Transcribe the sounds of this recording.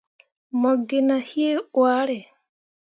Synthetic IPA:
mɔ˨ɡe˨na˨hje˦wa˦ɾɛ˨

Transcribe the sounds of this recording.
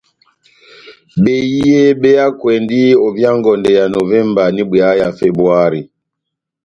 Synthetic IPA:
ɓe˦ji˦e˦ɓe˦ja˦kwɛ˨ndi˦ɔ˨vja˦ŋɡɔ˨ndɛ˨ja˨no˨vɛ˦mba˨ni˦bwa˦ja˨fɛ˨bɾu˨a˦ɾi˨

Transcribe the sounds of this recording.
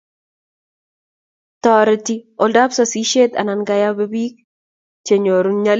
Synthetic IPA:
tɔ˨ɾɛtiɔ˨lda˦psɔ˨si˦ʃe˦t̪a̰˨na˨nɡa˦ja˦bɛ˦bi˦k̚ | t͡ʃe˨ɲo˨ɾuɲa˦l

